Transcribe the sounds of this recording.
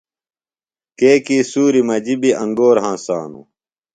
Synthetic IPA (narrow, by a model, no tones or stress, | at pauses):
keːkiːsuːɾimɐd͡ʑibiɐ̃ŋɡoːɾɦãːsa̰ːnṵ